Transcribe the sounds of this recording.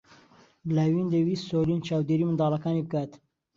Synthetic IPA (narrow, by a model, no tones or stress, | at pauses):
blawind̪ewiːsolint͡ʃʰɑːwd̪eːɾiːmɨnd̪ɑːlɐkɑːnibəkaːt̪